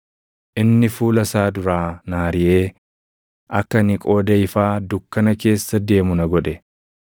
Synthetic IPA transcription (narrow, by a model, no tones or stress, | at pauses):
ʔɪnːɪfuːlɐsaːd̪ʊɾaːnaːɾɪʔe̞ː | ʔɐkːɐnɪkʼo̞ːd̪ɐɪfaːd̪ʊkːɐnɐke̞ːsːɐd̪e̞ːmʊnɐɡɔᶑɛ